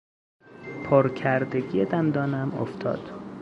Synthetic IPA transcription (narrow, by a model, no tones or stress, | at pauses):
pʰɒːɾcʰæɾd̪eɟied̪ænd̪ɒːnæmo̰ft̪ʰɒ̰ːd̪̥